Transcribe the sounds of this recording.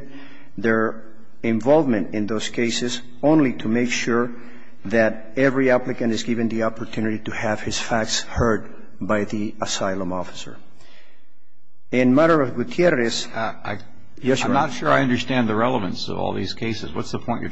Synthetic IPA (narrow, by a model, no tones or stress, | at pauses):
ðə˞ | ɪ̃ɱvɑlˠvmɨ̃ntɪ̃nðoʊskʰeɪsɨz | õʊ̃nlitʰumeɪkʃuɹ | ðæɾ | ɛvɹiæplɨkɨ̃ntɨzɡɪvɨ̃nðiɑpə˞t̪ʰʉnɨɾitɨhɨv̥hɨz̥fæk̚tshɜ˞d̚ | bajðiəsaɪlə̃mɔfɨ̥sə̰˞ | ɪ̃nmæɾə˞ʌvɡut̪ʰjɛrɨs | jnətʃʊɹaɪʌ̃ndə˞stæ̃nðɨɹɛlˠəvɨ̰̃nsʌ̰vɔ̰lˠðḭz̥kʰeɪsɨ̰zwʌ̰tsðəpʰɔ̃ɪ̃nt͡ʃɨ